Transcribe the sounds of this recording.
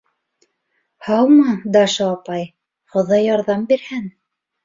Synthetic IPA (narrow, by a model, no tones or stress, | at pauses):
hɑwmɑd̪ɑʃɑːpɑj | χŏðɑjɑɾðɑmbiɾhæn